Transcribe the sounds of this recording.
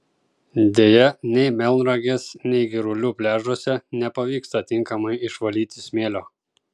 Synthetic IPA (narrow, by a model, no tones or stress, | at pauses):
d̪ʲeːjɛnʲɛɪmʲɛlˠʲnɾɐɡʲeːsnʲɛɪɡʲɪɾʊlʲupʲlʲæːʒoːsʲɛnʲɛpɐʋʲiːkst̪ɐt̪ʲɪŋkɐmɐɪɪʃʋɐlʲiːt̪ʲɪsʲmʲeːlʲoː